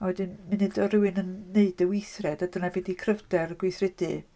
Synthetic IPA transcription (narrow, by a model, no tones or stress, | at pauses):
ɔdɨnmɨnɨdɔɾɪwɨnənːeɨdəwɪjθrɛdadənavɛdikʰrəvdɛrɡ̥wɪjθrɪdɨ